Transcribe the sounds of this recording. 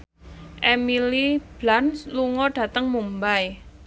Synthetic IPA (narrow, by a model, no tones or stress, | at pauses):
ʔemilib̥lansluŋɔɖ̥ä̤t̪əŋmumbaj